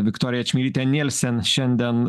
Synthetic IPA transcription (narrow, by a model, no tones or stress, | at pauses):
vʲɪkt̪oːɾʲɪjɛt͡ʃmʲiːɾʲiːt̪ʲɛnʲɛlʲsʲɛnʃʲɛnʲd̪ʲɛn